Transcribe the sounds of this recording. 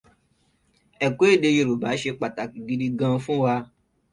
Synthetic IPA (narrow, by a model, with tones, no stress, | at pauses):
ɛ˨ko˦e˦˨de˧je˧˨ɾu˨ba˨˦ʃe˧k͡pa˨ta˨ki˨ɡi˨˧di˧ɡã˧fũ˦wa˧